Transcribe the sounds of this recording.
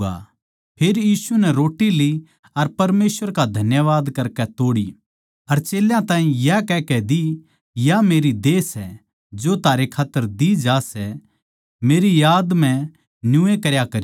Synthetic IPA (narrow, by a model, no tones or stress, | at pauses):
a̰ | pʰeːɾjiːsunɛɾoːʈili | ɐɾpɐɾmeːsʋəɾkad̪ʱɐnjəʋaːd̪kɐɾkɛt̪oːɽḭ | ɐɾt͡ʃeːljãt̪ãːĩjakɛːkɛd̪i | jameːɾid̪eːsɛ | d͡ʒot̪aːɾekʰaːt̪ːəɾd̪id͡ʒaːsɛ | meːɾijaːd̪mɛ̃ | njuẽkɐɾjakɐɾi